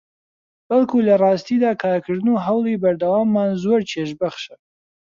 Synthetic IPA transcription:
b̥ɐlkʰuːlɐrˤɑːst̪iːd̪aːkʰɑɾkʰɨɾd̪ɨnuɦɐwlˠiːbɐɾd̪ɐwaːmːaːnzoɾt͡ʃʰeʃ̬bɐχʃə

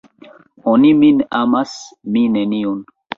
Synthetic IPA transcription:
oniminamasmineniun

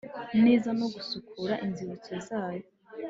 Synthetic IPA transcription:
neːzano̞ɡusukʰuɾaʔinziβut͡so̞zaːjo

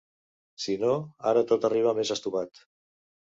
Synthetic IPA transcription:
sinoaɾət̪ot̪ariβ̞əmezəst̪uβat̪

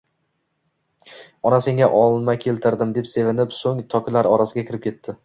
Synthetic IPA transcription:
ɒnase̞ŋʲaʔɒlˠmajkʲʰe̞lt̪ʰɪɾd̪ɪmd̪e̞pse̞vɪnɪpsoŋt̪ʰɒkʲʰɪlaɾɒɾasɪɡʲakʲʰɪɾɪp̚kʲʰe̞t̪ʰːɪ

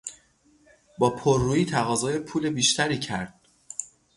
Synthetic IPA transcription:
bɒːpʰoɾːuːiːt̪ʰæɣɒːzɒːjepʰuːlebiːʃt̪ʰæɾiːcʰæɾd̪̥̚

